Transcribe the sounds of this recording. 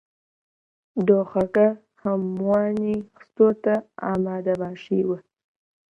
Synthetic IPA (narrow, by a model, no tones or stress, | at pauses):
d̪oxaka | hamːwɑnixst̪ot̪aɑ̰mɑːd̪abɑʂiwə